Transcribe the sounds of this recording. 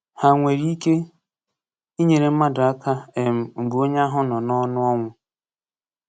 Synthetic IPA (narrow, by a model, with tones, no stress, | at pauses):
ha˨ŋʷe˨ɾi˦i˦ke˦ | i˦ɲe˨ɾe˨m̩˦ma˦dʊ˨a˦kʰa˦e˨m̩˨ŋ̩˨ɡ͡bo˦ɲa˦ɦʊ˦nɔ˨nɔ˦nʊ˦ɔ˦ŋʷʊ˦